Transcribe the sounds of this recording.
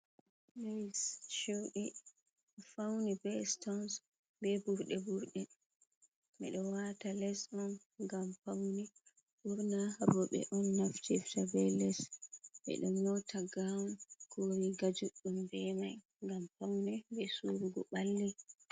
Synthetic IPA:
lejst͡ʃiwɗi | fawnibɛstɔns | bɛbuɾɗɛbuɾɗɛ | mɛɗɔwatalɛsɗɔn | ɡamfawni | ʔuɾnahabɔɓɛ̰ʔɔnːaftɛftabɛlɛsɓɛ̰ɗɔmːɔtʰaɡamkoɾiɡad͡ʒuɗːumbɛmaj | ŋɡamfawnɛbɛsuɾuɡɔɓalːi

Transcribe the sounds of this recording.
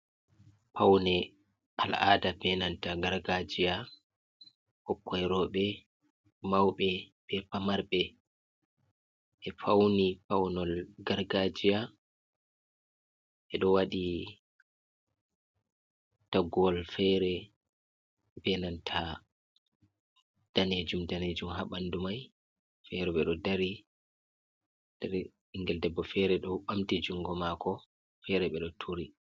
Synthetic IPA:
pʰawnɛ | ʔala̰ːdabɛnantaɡaɾɡad͡ʒija | hɔkːɔjɾɔɓɛ | mawɓɛɓɛpamaɾɓɛ | ɛfawnipawnɔlɡaɾɡad͡ʒija | ʔɛɗɔwaɗi | taɡɔlfɛɾɛ | bɛnantʰa | d̥aned͡ʒumdaned͡ʒumɦaɓandumaj | fɛɾɛɓɛɗɔdaɾi | d̥ɛɾ | ŋɡɛldɛbːɔfɛɾɛɗɔɓamtid͡ʒuŋɡɔmakʰɔ | fɛɾɛɓɛɗɔtʰuɾi

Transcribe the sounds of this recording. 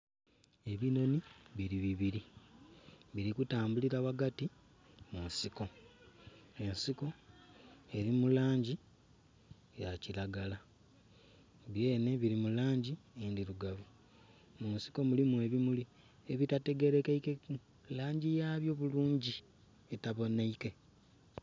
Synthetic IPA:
e̞βino̞niβiɾiβiβiɾi | βiɾikutaːmbuliɾaβaɡati | munsiko̞ | e̞nsiko̞ | e̞ɾimulaːɲɟi | jacilaɡala | βje̞ːne̞βiɾimulaːɲɟiendiɾuɡaβu | munsi̥ko̞mulimue̞βimuli | eβitate̞ɡe̞ɾe̞kaikek | laːɲɟijaːβjo̞βuluːɲɟi | etaβo̞neike̞

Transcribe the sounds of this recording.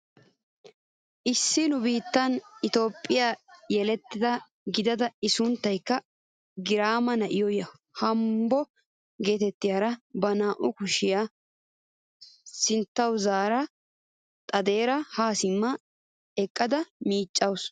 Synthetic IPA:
ʔɪsːɪnʊbiːt̪ːɐnɪt̪o̞ːpʼːɪjaːjɛlɛt̪ːɪd̪ɐ | ɡɪd̪ɐd̪ɐɪsʊnt̪ːɐjkːɐ | ɡɪɾaːmɐnɐʔɪjɔjɐ | hɐmbɔ | ɡe̞ːt̪ɛt̪ːɪjaːɾɐbɐnaːʔʊkʊʃɪjaː | sɪnt̪ːɐwzaːɾɐ | t̪ʼɐd̪e̞ːɾɐhaːsɪmːɐ | ɛkʼːɐd̪ɐmiːt͡ʃʼːɐws

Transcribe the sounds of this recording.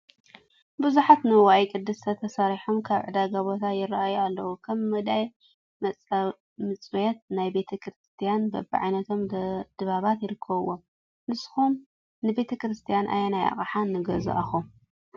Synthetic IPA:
bɨzuħat̪nɨwajkʼɨd̪ːɨst̪ʰɐt̪ʰɐsaɾiħomkʰaβʕɨd̪aɡaβo̞t̪ʰajɪrːaʔajualːɐwukʰɐmːɨd̪aj | mɐ | mɨt͡sʼujɛt̪̚najbe̞t̪ʰɐkɾɨst̪ʰijanbɐ̰bɨʕa̰jnɐt̪ʰo̞md̪̥ɨβaβat̪jɪɾɨkʰːɐβɨwo | nɨsxum | nɨbe̞t̪ʰɐkɾɨst̪ʰijanʔa̰janajʔa̰χʼaħanːɨɡɐzṵʔa̰xom

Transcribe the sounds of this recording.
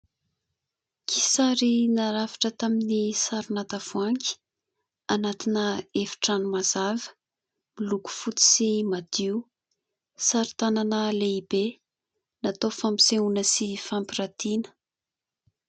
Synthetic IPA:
kʰisaɾinaɾavḁʈ͡ʂət̪aminisaɾunat̪av̥uaŋkʲi̥ | anat̪inəefi̥ʈ͡ʂanumazavə̥ | miluku̥fut͡s̪i̥simad̪̥iu | saɾit̪ananəleibe | nat̪ofampi̥seunəsifampiɾat̪inə̥

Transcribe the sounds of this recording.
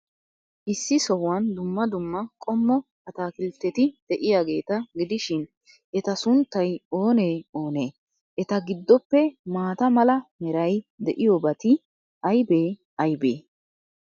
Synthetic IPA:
ʔɪsːɪsɔwːɐnd̪ʊmːɐd̪ʊmːɐkʼɔmːɔhɐt̪aːkɪlt̪ːɛt̪ɪd̪̥ɛʔɪjaːɡe̞ːt̪ɐɡɪd̪ɪʃɪn | ʔɛt̪ɐsʊnt̪ːɐjo̞ːneːo̞ːneː | ʔɛt̪ɐɡɪd̪ːɔpːɛmaːt̪ɐmɐlɐmɛɾɐjd̪ɛʔɪjoːbɐt̪ɪ | ʔɐjbeː | ɐjbḛː

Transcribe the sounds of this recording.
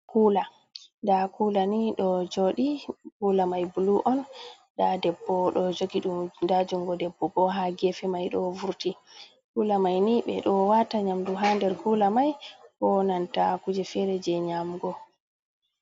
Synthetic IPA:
kuːla | ndakulaniɗɔd͡ʒoɗikuːlamajbuluʔɔn | dadɛbːɔɗɔd͡ʒoɡiɗumndad͡ʒuŋɡɔdɛbːɔbɔɦaɡɛfɛmajɗɔvuɾti | kulamajniɓɛɗɔwataɲamduɦandɛɾkulamajkɔnantakud͡ʒɛfɛɾɛd͡ʒɛɲamɡɔ

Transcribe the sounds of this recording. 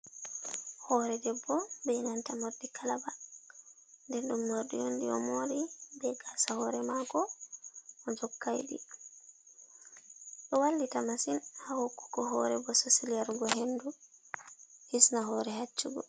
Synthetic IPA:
hɔɾɛdɛbːɔbɛŋantamoɾdikʰalaba | ndɛnɗumːoɾdujondiɔ̰moːɾibɛɡasahɔɾɛmakɔ | ʔɔd͡ʒɔkːajɗḭ | ɗɔwalːitamasinhahokːu̥kɔɦɔɾɛbɔsosiliaɾɡɔɦenːdu | hisnaɦɔɾɛɦat͡ʃːuɡɔ̰

